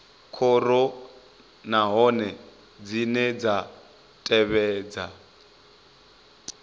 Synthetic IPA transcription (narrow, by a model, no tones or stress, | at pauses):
kʰɔɾɔ | naɦɔnɛ | d͡zinɛd͡za | tʼɛβɛːd͡za